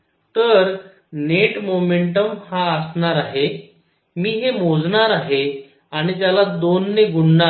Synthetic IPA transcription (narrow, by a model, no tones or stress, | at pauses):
t̪əɾ | neʈmomeɳʈəmhaəsɳaɾaɦe | miːɦemod͡zɳaɾaɦe | aɽ̃it̪jalad̪onːeɡuɳɳa